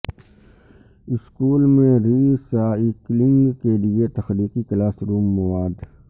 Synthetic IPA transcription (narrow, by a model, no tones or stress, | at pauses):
ɪskuːlmẽɾiːsaːiklɪ̃ŋɡkeliet̪ɐxɾiːkiklaːsɾuːmːɐwaːd̪